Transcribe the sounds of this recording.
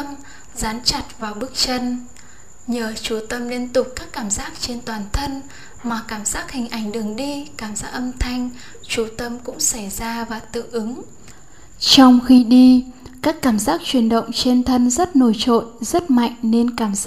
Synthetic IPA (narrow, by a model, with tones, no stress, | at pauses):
m | zaː˨˦nt͡ɕa˨˩t̚vaː˨˩wɓɨ˦˥k̚t͡ɕə˧n | ɲəː˨˩t͡ɕu˧˩t̪ə˧mli˧ənt̪ʊ˨˩k͡p̚kaː˦˥kːaː˧˩mzaː˦˥k̚t͡ɕe˧nt̪waː˨˩nt̪ʰə˧n | maː˨˩kaː˧˩mzaː˦˥k̚hï˨˩ŋ̟ʔa˧˩jŋ̟ɗɨ˨˩əŋɗi˧kaː˧˩mz̥aː˦˥k̚ʔə˧mt̪ʰa˧jŋ̟ | t͡ɕu˧˩t̪ə˧mkʊ̰˧˥ŋ͡msa˧˩jzaː˧vaː˨˩t̪ɨ̰˧˨ʔɨ˨˦ŋ | t͡ɕɔ˧wŋ͡mxi˧ɗi˧kaː˦˥kːaː˧˩mzaː˦˥k̚t͡ɕwi˨˩ənɗə̰˧˨wŋ͡mt͡ɕe˧nt̪ʰə˧nzə˦˥t̚no˧˩jt͡ɕo̰˧˨jzə˦˥t̚ma̰˧˨jŋ̟ne˧nkaː˧˩m˦